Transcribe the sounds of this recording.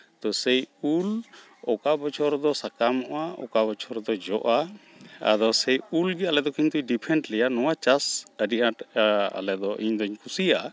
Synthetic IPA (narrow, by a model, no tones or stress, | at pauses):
t̪ɔsɛjul | ɔkabɔt͡ʃʰɔɾd̪ɔsakamɔʔaɔ̰kabɔt͡ʃʰɔɾd̪ɔd͡ʒɔʔaa̰d̪ɔsɛjulɡɛalɛd̪ɔkiɲt̪uɖipʰɛɳʈlɛjanɔwat͡ʃasəɖiʔaʈa̰lɛd̪ɔʔiɲd̪ɔɲkʰusijaʔa